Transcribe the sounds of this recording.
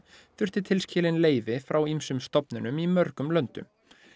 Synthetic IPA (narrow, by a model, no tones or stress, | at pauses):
θʏr̥t̪ɪt̪ʰɪlscɪːlɪnleːjvɪfɾawimsʏmst̪ɔpnɪnʏmimœɾkʏmlœnt̪ʏ̰m